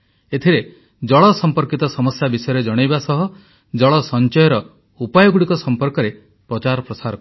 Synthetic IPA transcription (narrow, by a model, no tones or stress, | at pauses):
et̪ʰiɾe | d͡ʒɔɭɔsɔmpɔɾkit̪ɔsɔmɔsjabisɔjɔɾed͡ʒɔɽ̃ajbasɔɦɔ | d͡ʒɔɭɔsɔnt͡ʃɔjɔɾɔ | upajɔɡuɽikɔsɔmpɔɾkɔɾe | pɾɔt͡ʃaɾɔpɾɔsaɾɔk